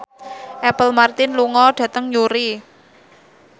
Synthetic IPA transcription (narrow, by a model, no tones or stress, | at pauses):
ʔɛpəlmart̪ɪnluŋɔɖ̥ä̤t̪əŋjuɾi